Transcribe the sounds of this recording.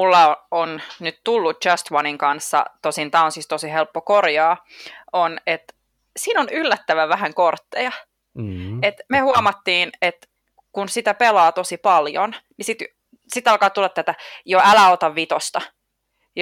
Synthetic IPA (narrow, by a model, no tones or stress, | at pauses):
mulːɑoonnyt̪t̪ulːut̪̚t͡ʃɑst̪wɑniŋkɑnsːɑ̰t̪osint̪ɑunsist̪osihelpːokorjɑːonet̪ | siːnonylːæt̪ːæʋæʋæhæŋkort̪ːejɑ | et̪mehuɑmɑt̪ːiːnet̪ | kunsit̪æpelɑːt̪osipɑljonnisit̪ | sit̪ɑlkɑːt̪ulːɑt̪t̪ːæt̪æjoælæot̪ɑʋʋit̪ost̪ɑ | j